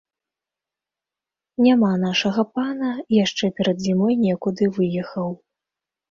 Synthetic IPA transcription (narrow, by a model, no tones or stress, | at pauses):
nʲamanaʂɐɣɐpanɐjaʂt͡ʂɛpʲɛɾɐd̪zʲimɔjnʲɛkud̪ɨvɨjɛxɐw